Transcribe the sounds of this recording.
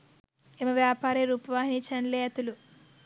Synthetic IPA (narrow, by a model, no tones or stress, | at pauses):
emɐʋjaːpaːɾeɾuːpɐʋaːɦiniːt͡ʃɐnleːɐt̪ulu